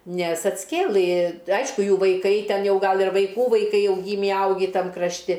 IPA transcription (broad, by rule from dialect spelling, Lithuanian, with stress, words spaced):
ˈnʲɛs ɐtʲsʲˈkʲeːlˠɨ ˈɐɪʃkʊ ˈjuː ʋɐɪˈkɐɪ ˈtʲɛn ˈjɛʊ ˈɡɐlˠ ɪr ʋɐɪˈkuː ʋɐɪˈkɐɪ ˈjɛʊ ˈɡʲiːmʲiː ˈɐʊɡʲiː ˈtɐm krɐʃʲˈtʲɪ